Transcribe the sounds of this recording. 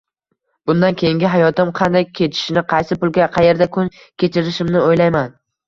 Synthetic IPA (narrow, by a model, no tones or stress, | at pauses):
b̥ʊnd̪ankʲʰejɪŋɡʲɪɦajɒt̪ɪmqʰɑnd̪ajkʲʰe̞t͡ʃ̪ʰɪ̥ʃɪnɪqʰɑjsɪpʊlɡʲaqʰɑje̞ɾd̪akʰʊn | kʲʰe̞t͡ʃʰɪɾɪʃɪmnɪojlajman